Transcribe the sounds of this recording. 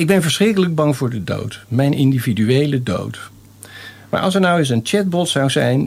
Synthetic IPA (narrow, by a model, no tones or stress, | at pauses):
ɪɡ̚bɛnvəɹsχrɪkələɡ̚bɑŋvʊːɹdədo̰wtmɛjnɪndividyejlədo̰wt | ma̰ːɹʔɑ̰lˠsɛɹnɑwɪs̬ənt͡ʃɛd̚bɔtsɑwzɛjn